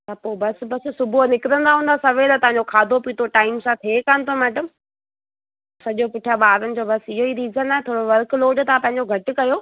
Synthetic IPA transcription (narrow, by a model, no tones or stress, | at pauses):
t̪ɐpoːbɐsbɐssʊbʱonɪkɪɾə̃nd̪aɦũːnd̪asɐʋeːlat̪ɐ̃ɦãɲ̆d͡ʑokʰaːd̪ʱopit̪ʰoʈaːɪmsãt̪ʰeːkanɪ̆t̪ʰomɛːɖəm | sɐʄopʊʈʰijaɓaːɾənɪ̆d͡ʑoːbɐsɪɦoiɾiːzənaːet̪ʰoːɽoʋɐɾkloːɖt̪ãpɐ̃ɦɪ̃ɲ̆d͡ʑoɡʱɐʈʊkɐjoː